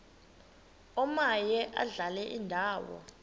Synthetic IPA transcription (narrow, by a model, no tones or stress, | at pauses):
ɔmajɛʔa̰ɮalɛʔindʱaːwɔ̰